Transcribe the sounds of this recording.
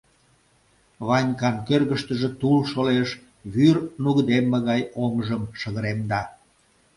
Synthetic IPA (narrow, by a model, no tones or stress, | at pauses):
βɑnʲkɑnkørɣəʃt̪əʒĕt̪ulʃoleʃ | βyrnuɣd̪emːeɣɑjomʒəmʃəɣəɾemd̪ɑ